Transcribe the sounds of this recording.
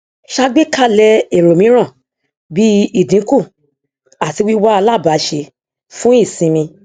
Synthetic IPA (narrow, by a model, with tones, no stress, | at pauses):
ʃa˧˦ɡ͡be˦ka˦˨lɛ˧e˨ɾo˨mĩ˨˦ɾ̃ã˦˨ | bi˦i˦˨dĩ˨˦ku˦˨ | a˨ti˨˧wi˦wa˦a˧la˦˨ba˨˦ʃe˧ | fũ˦i˦˨sĩ˨˧mĩ˧